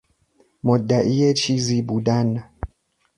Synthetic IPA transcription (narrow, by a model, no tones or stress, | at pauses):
mɔdːaʔijɛt͡ʃizibudana